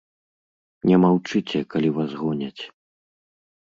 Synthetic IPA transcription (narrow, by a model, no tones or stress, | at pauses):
nʲɛmawt͡ʂɨt͡sʲɛkalʲivazɣɔnʲɐt͡sʲ